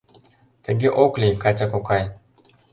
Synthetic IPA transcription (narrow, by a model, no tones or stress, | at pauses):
taɡeʔoklikatakokaj